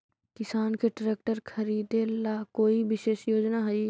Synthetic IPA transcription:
kɪsaːnkʰeʈɾeːk̚ʈəɾkʰɐɾiːd̪elaːkoːiʋɪʃeːʃjoːd͡ʒnaɦɐi

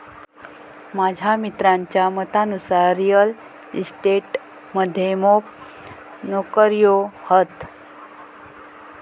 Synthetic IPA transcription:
mad͡ʑʱamit̪ɾaɲt͡ɕjamət̪anusaɾijəl | ḭsʈeʈ | məd̪ʱːjemop̚ | nokəɾjohət̪

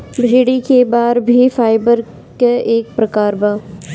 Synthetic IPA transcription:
bʱeːɽikebaːɾbʱifaːɪbəɾ | keeːk̚pɾɐkaːɾbaː

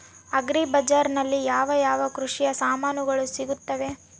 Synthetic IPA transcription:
ɐɡɾibɐd͡ʒaːɾnɐlːijaːʋɐjaːʋɐkɾuʂijɐsaːmaːnuɡɐɭusiɡut̪ːɐʋe̞

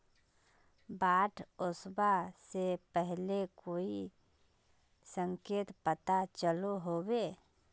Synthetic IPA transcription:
baːʈʰʊsbasepɛɦlekoːi | sə̃ŋkeːt̪pət̪at͡ʃəloɦoːweː

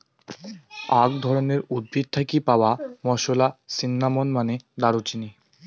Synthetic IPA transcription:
ak̚d̪ʱɔɾoneɾud̪̚bʱid̪̚t̪ʰakipaoamɔʃolasinːamonmaned̪aɾut͡ɕini

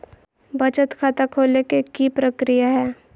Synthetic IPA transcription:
bət͡ʃət̪kʰaːt̪akʰoːlekekipɾəkɾijaɦɛː

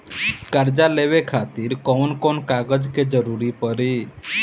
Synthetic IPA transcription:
kaɾd͡ʒaleʋekʰat̪iɾkɔwnkonkaɡəd͡ʒked͡ʒəɾuɾipəɾi

